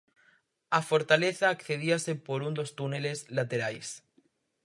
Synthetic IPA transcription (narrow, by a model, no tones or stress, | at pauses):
afo̞ɾt̪aleθaːkθe̞ðiasepoɾund̪o̞st̪unele̞zlat̪eɾajs